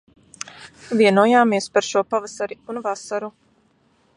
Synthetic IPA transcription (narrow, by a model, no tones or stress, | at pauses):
vʲiɛnuɔjaːmiɛspaɾʃuɔpavasaɾiunvasaɾu